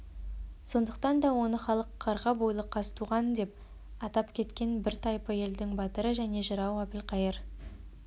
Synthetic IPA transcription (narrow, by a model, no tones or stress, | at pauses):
so̞nd̪əqt̪ɑnd̪ɑwo̞nəχɑlˠəqʰːɑɾʁɑbojlˠəqʰːɑst̪ʰuʁɑnd̪e̞p̚ | ɑt̪ɑpkʲʰe̞t̪kʲe̞nbɪɾt̪ʰɑjpəe̞ld̪ɪŋbɑt̪əɾəʒæne̞ʒəɾɑwæpɪlqʰɑjəɾ